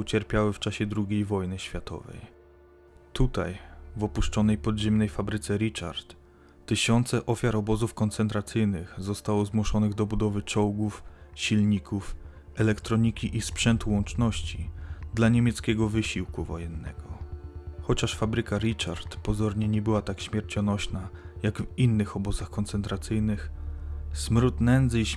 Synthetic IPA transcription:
ut͡ɕɛɾpʲjawɘft͡ʂaɕɛd̪ɾuɡʲejvɔjnɘɕfʲjat̪ɔ̰vɛ̰j | t̪ut̪a̰jvɔpuʂt͡ʂɔnɛjpɔd̪ʑɛmnɛjfabɾɘt̪sɛɾit͡ʂa̰ɾt̪ | t̪ːɘɕɔnt̪sɛʔɔfʲjaɾɔbɔzufkɔnt̪sɛnt̪ɾat̪sɘjnɘxzɔst̪awɔzmwuʂɔnɘɣd̪ɔbud̪ɔvɘt͡ʂɔwɡufɕilɲikʰuf | ɛlɛkt̪ɾɔɲikʲiʔispʂɛnt̪wɔnt͡ʂnɔɕt͡ɕid̪laɲɛmʲjɛt̪skʲɛɡɔvɘɕiwkuvɔjɛnːɛ̰ɡɔ | xɔt͡ɕaʂfabɾɘkaɾit͡ʂa̰ɾt̪pɔzɔɾɲɛɲɛbɘwat̪akɕmʲjɛɾt͡ɕɔnɔɕnajaɡvinːɘxɔbɔzaxkɔnt̪sɛnt̪ɾat̪sɘjnɘx | smɾut̪nɛnd̪zɘiɕ

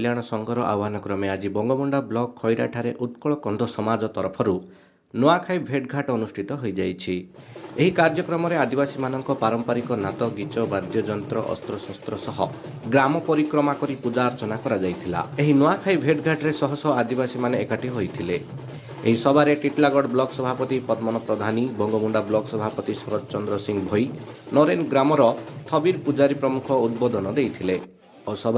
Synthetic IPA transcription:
ljaɽ̃ɔsɔŋɡʱɔɾɔʔa̰wɦanɔkɾɔmead͡ʒibɔŋɡɔbɔɳɖablɔkʰːɔjɾa̰ʈʰaɾeʔut̪kɔɭɔkɔnd̪ʱɔsɔmad͡ʒɔt̪ɔɾpʰɔɾu | nɔakʰajbʱeʈɡʱaʈɔɔnusʈʰit̪ɔɦojd͡ʒajt͡ʃʰi | eɦikaɾd͡ʒɔkɾɔmɔɾead̪ibasimanɔŋkɔpaɾɔmpaɾikɔnat̪ɔɡit͡ʃɔbad̪jɔd͡ʒɔnt̪ɾɔʔɔ̰st̪ɾɔsɔst̪ɾɔsɔɦɔ | ɡɾamɔpɔɾikɾɔmakɔɾipud͡ʒaːɾt͡ʃɔnakɔɾad͡ʒajt̪ʰila̰eɦinɔakʰajbʱeʈɡʱaɖɾesɔɦɔsɔad̪ibasimaneːkaʈiɦojt̪ʰile | eɦisɔbʱaɾeʈiʈlaɡɔɽblɔksɔbʱapɔt̪ipɔd̪mɔnɔpɾɔd̪ʱanibʱɔŋɡɔmuɳɖablɔksɔbʱapɔt̪isɔɾɔd͡ʒt͡ʃɔnd̪ɾɔsiŋbʱɔjnɔɾenɡɾamɔɾɔt̪ʰɔbiɾpud͡ʒaɾipɾɔmukʰɔud̪̚bɔd̪ɔnɔd̪ejt̪ʰile | osɔbʱ

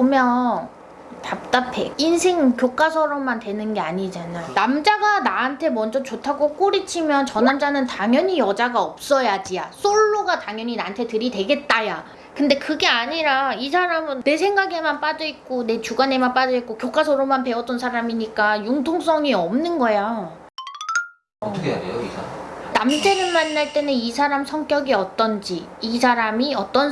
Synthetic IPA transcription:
omjʌn | tap̚t͈apʰe̞insʰe̞ŋkjok͈asʰʌɾʌmːantwe̞nɯnɡe̞aɲid͡ʑanajonamd͡ʑaɡanaantʰe̞mʌnd͡ʑʌt͡ɕotʰaɡok͈oɾit͡ɕʰimjʌnt͡ɕʌnamd͡ʑanɯntaŋjʌɲijʌd͡ʑaɡaʌp̚s͈ʌjad͡ʑijas͈ʰoɭːoɡataŋjʌɲinantʰe̞tɯɾide̞ɡe̞t̚t͈aja | kɯnde̞kɯɡe̞aɲiɾaisʰaɾamɯnne̞sʰeŋɡaɡe̞manp͈ad͡ʑʌik̚k͈one̞t͡ɕuɡane̞manp͈ad͡ʑʌik͈okjok͈ʰasʰoɾomanpe̞ʌt͈ʌnsʰaɾamiɲik͈ajuŋtʰoŋs͈ʌŋiʌmnɯnɡʌja | ʌtʌkʰea̰ɡḛjoisʰnamd͡ʑe̞ɾɯɭmanːaɭt͈e̞nɯnisʰaɾamsʰʌŋk͈jʌɡiʌt͈ʌnd͡ʑiːisʰaɾamiʌt͈ʌn

